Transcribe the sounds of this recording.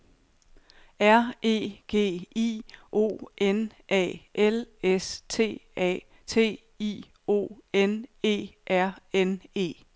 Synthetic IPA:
æɐ̰e̝̰ːɡ̥e̝̰ːḭːʔo̝̰ːʔenʔɛ̰ːʔelest͡sʰe̝̰ːɛ̰ː | t͡sʰe̝̰ː | ḭː | o̝̰ːene̝̰ːʔæɐ̰ene̝̰ː

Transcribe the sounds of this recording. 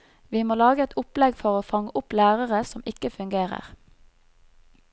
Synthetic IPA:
ʋiːmoːlɑːɡəɛt̪ʰʊplɛɡfɔʁoːfɑŋəʔʊplæːʁəʁəsɔmɪkəfʉŋɡeːʁə̰ʁ

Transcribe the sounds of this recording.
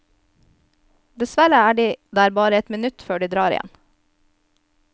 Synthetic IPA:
d̪ɛsʋæɾəæːɖiːd̪ææːɾbɑːɾəɛt̪mɪnʉt̪føːɖiːd̪ɾɑːɾɪ̰jɛ̰n

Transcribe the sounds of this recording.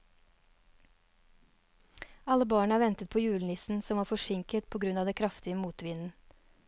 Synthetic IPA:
ɑləbɑːɳəæːʋɛnt̪ət̪̚pʰoːjʉːln̩ɪsn̩sɔmʋɑːɾfɔʂɪŋkət̪̚pʰoːɡɾʉnɑːʋd̪ɛːkʰɾɑft̪ɪəmuːt̪ʋɪnn̩

